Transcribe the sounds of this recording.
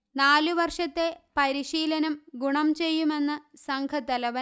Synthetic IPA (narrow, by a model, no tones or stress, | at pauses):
naːluʋɐrʂɐt̪ːe̞pɐɾiɕiːlɐnɐmɡuɳɐmt͡ɕe̞jːume̞nːɨsɐŋkʰɐt̪ːɐlɐʋɐ